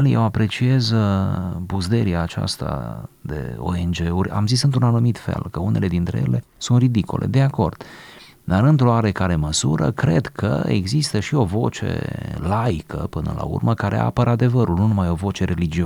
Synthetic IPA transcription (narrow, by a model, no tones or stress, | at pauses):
ljḛwapɾe̞t͡ʃiez | buzd̪eɾiaːt͡ʃa̰st̪a̰d̪e̞̰o̞̰e̞nd͡ʒe̞urʲa̰mzisɨnt̪ɾunanumit̪fe̞̰lkəune̞le̞d̪int̪ɾe̞̰je̞̰le̞sunt̪rid̪ikulʔe̞̰d̪eako̞rd̪̥ | d̪aɾɨnt̪ɾo̞aɾekaɾe̞məsuɾə̰kɾe̞d̪kʰə̰ḛɡzist̪əʃio̞vo̞t͡ʃe̞̰laikʰə̰pɨnə̰la̰ṵrməkaɾʔe̞̰ʔa̰pəɾad̪e̞vəɾulnunumajo̞vo̞t͡ʃe̞ɾe̞lid͡ʒio